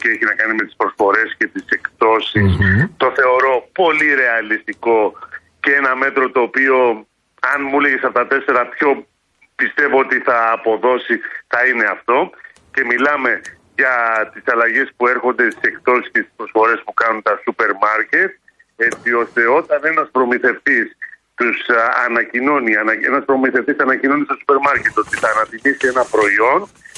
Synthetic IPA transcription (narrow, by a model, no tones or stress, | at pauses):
cee̞çinɐkɐnime̞t̪i̥spɾo̞sfo̞ɾe̞sce̞t̪ise̞kt̪o̞sist̪o̞θe̞o̞ɾo̞po̞liɾe̞ɐlist̪iko̞ | cee̞nɐme̞t̪ɾo̞t̪o̞ːpio̞ | ɐnmuleʝesɐpot̪ɐt̪e̞se̞ɾɐpço̞ | pist̪e̞vo̞ot̪iθɐːpo̞ðo̞siθɐine̞ɐft̪o̞ | ce̞milɐme̞ | ʝɐt̪isɐlɐʝe̞spue̞ɾxo̞nd̪e̞st̪ise̞kt̪o̞si̥scest̪i̥spɾosfo̞ɾe̞spukɐnunt̪ɐsupe̞ɾmɐɾce̞t̪̚ | e̞t͡sio̞st̪e̞o̞t̪ɐne̞nɐspɾo̞miθe̞ft̪is | t̪usɐ̰nɐcino̞niɐnɐe̞̰nɐspɾo̞miθe̞ft̪isɐnɐcino̞nist̪osupe̞ɾmɐɾce̞t̪o̞t̪iθɐːnɐðimisie̞nɐpɾo̞io̞n